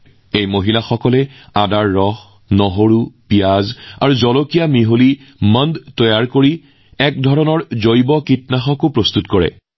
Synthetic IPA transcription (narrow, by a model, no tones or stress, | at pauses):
ejmoɦilaxɔkɔlɛadaɹːɔx | nɔɦoɹupijaza̰ɹuzɔlokijamiɦoliməndtɔjaɹkoɹi | ɛk̚dʱɔɹɔnɔɹzojbɔkitnaxɔkʊpɹost̪utkɔɹɛ̰